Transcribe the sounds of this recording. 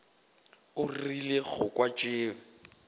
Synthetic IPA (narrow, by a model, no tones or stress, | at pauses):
ʊrileɣʊkʼwat͡ʃʼɪːm̩